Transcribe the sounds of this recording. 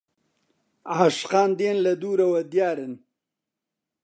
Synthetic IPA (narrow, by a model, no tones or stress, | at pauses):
aʂqaːnd̪eːnlɐd̪uːɾɐwɐd̪jaːɾɪn